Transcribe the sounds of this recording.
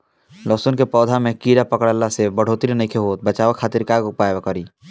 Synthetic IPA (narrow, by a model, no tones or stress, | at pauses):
lɔsunkepɔːd̪ʱamekiɾapəkɽəlːasebəɽ̤ot̪iɾnəjkʰeɦot̪̚bət͡ʃabəkʰːat̪iɾkaɡopaebekəɾi